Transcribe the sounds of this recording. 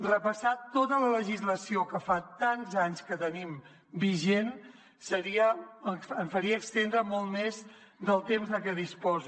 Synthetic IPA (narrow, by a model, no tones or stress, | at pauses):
rəpəsat̪ot̪ələləʒizləsiokəfat̪anzaɲskət̪ənim | biʒen | səɾiəəɱfəɾiəːkst̪end̪ɾəmɔlˠt̪mez | d̪əlˠt̪emzðəkɛðispɔz